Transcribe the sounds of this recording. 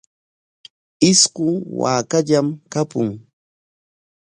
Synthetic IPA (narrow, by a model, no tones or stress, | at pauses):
ɪskʊŋwa̰ːkaʎamkapʊŋ